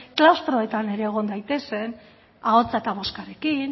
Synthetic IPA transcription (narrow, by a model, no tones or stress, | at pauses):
klawst̪ɾo̞e̞t̪ane̞ɾe̞ːɣ̞o̞nd̪ajt̪e̞se̞n | ao̞t͡sae̞t̪aβ̞o̞skaɾe̞kin